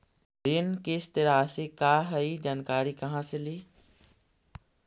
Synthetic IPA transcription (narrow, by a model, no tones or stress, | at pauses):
ɾɪnkɪst̪ɪɾasekaːɦɐiːd͡ʑaːnkaːɾikɐɦãsɪliː